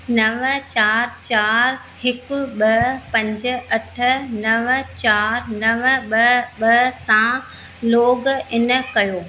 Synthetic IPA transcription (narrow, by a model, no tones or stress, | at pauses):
nɐʋt͡ɕaːɾt͡ɕaːɾ | hɪkʊ̆ɓɐpɐ̃ɲd͡ʑə̆ɐʈʰə̆nɐʋət͡ɕaːɾnɐʋəɓɐɦɓɐɦsã | loːɡɪnə̆kɐjoː